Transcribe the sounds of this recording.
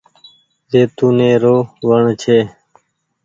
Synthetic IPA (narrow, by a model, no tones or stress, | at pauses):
zeːt̪uːneːɾoːʋəɳt͡ʃʰeː